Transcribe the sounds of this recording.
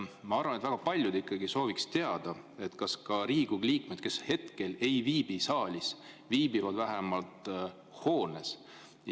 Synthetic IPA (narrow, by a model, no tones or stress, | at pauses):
mɑɑrvɑnet̪væɡ̥ɑpɑlʲjud̪ikˑːɑɡiso̞ːvikst̪e̞ɑd̪̥ɑ | e̞t̪kɑskɑɾiːɡ̥uɡliːkme̞d̪̥̚ke̞she̞t̪ke̞le̞jviːb̥isɑːlʲis | viːbivɑd̪væɦɛmɑlt̪ | ho̞ːnes